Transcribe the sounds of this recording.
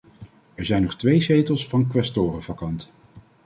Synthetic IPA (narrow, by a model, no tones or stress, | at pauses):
ɛɹzɛjnɔχtʋejsejtəlˠsfɑnkʋɛstoːrəvɑkɑnt